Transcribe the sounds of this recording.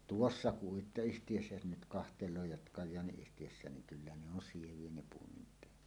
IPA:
tuosːɑ uitːoyhtij̊øsːæ jos nyt kɑhteloː jɑt kɑjˑɑːniyhtijøsːæˑen niŋ kylːæ ne on sieʋˑie ne puomim peæt

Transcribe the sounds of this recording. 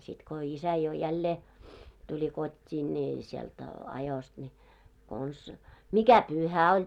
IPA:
sit ko isæ jo jælːeː tulʲi kotʲːiː nʲiː sielt ɑjost nʲi kons mikæ pyhæ olʲ

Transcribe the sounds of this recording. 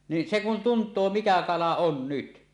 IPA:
ni se kun tuntˑoː mikæ kɑlɑ on nyt

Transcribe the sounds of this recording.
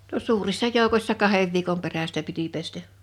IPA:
no suːrisːɑ joˑukosʲsɑ kɑheʋ ʋiːkom peræstæ piti pestæ

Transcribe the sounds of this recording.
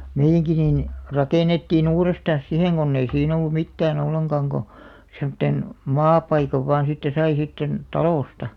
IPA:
meijːæŋki niːn rɑkeˑnetːiːn uːrestɑn̞s siheŋ ɡ̊onː ei siːn olːu mitːæːn olːeŋɡ̊ɑŋ ɡ̊o semŏtːen mɑːpɑikɑʋ ʋɑːn̞ sitːe sɑi sitːen tɑloˑstɑ

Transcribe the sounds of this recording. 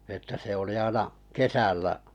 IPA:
etːæ se oli ɑinɑ kesælːæ

